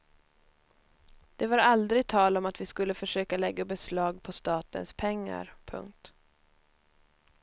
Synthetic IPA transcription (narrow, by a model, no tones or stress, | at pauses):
d̪̥ɛvaɾald̪ɾɪɡ̚t̪ʰɑːlɔmat̪vɪskɵlːəfœʂøːkalɛɡːabɛslɑːɡ̚pʰɔst̪ɑːt̪ə̰nspʰɛŋːa̰ɾpʰɵ̰ŋk̚t̪